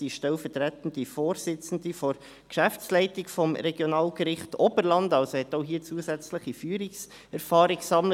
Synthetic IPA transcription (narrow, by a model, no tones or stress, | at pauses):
iʃtɛlfətɾætən̩d̥ifoːɾsɪt͡sn̩difoɾ | kʃæft͡slɛɪtɪkfɔmɾɛɡjonɑːlɡ̥əɾɪχtɔbəɾlɑndɑlsohɛtoʊɦiːt͡suːəsɛt͡sləχifyːɾɪks | ɛɾfɑːɾɪksɑmlə